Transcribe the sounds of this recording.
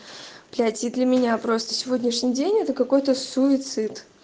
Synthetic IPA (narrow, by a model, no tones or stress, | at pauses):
plʲatʲid̪lʲəmʲɪnʲapɾo̞st̪ə̥sʲɪvo̞dʲnʲɪʂnʲijdʲenʲɛt̪əkɐko̞jt̪əsuɪt̪sɨt̪